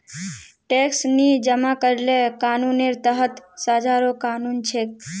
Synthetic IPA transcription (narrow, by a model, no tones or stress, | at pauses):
ʈeːksnid͡ʒəmakəɾlekaːnuːneɾt̪əɦət̪saːd͡ʒaːɾokaːnuːnt͡ʃʰek